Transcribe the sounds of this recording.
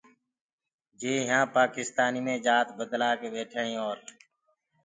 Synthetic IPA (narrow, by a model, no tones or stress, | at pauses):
d͡ʒeːɦãːpaːkɪst̪aːniːmẽːd͡ʒaːt̪bəd̪laːkeːɓeːʈʰəːɳĩːoːɾ